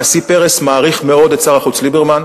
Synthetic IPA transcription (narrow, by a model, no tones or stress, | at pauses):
asipe̞ʁesmaːʁiχme̞o̞d̪ett͡saʁaχut͡slibeʁman